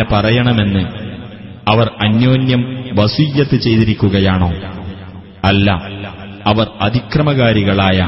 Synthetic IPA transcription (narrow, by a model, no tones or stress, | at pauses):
epɐrɐjɐɳɐme̞nːɨ | ɐʋɐrɐnjo̞ːnjɐmʋɐsujːɐt̪ːɨt͡ɕe̞jt̪iɾikʲːuɣɐjaːɳo̞ː | ɐlːɐ | ɐʋɐrɐd̪ʱikrɐmɐɣaːɾiɣɐɭaːjɐ